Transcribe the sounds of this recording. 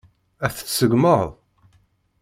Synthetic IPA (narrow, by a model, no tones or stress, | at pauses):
æθθsəɡməʁðˤ